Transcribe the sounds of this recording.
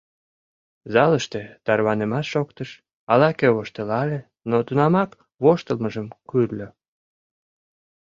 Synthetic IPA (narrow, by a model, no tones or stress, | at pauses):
zɑləʃt̪et̪ɑrβɑnemɑt̪ʃokt̪əʃ | ɑlɑkeβoʃt̪elɑle | not̪unɑmɑk | βoʃt̪əlməʒəmkyrlʲø